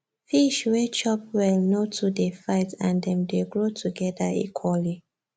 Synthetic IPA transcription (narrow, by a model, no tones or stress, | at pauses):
fiʃwɛt͡ʃɔp̚wɛlnotʰudefaɪtãndɛ̃mdeɡɹotʰuɡɛdaḭkʰwɔli